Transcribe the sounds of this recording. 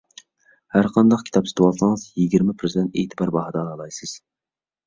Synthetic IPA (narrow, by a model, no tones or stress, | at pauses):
hæɾqʰɑnd̪ɑq̚kʲʰi̥t̪ʰɑpsɨ̥t̪ʰɨwɑlsɨŋɨzjiɡʲiɾmɛpʰɾɨzid̪ɛnt̪ejt̪ʰɨbɑɾbɑɦɑd̪ɛːlˠɑlˠɑjsɨz̥